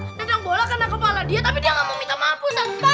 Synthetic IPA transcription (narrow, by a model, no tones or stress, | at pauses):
t̪aaŋbolakanakəpaladiat̪apidiaŋamomint̪amaput̪anpa